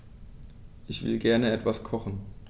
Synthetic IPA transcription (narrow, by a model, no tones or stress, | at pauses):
ʔɪçv̥ɪ̰lɡɛɐnəɛtv̥askʰɔχn̩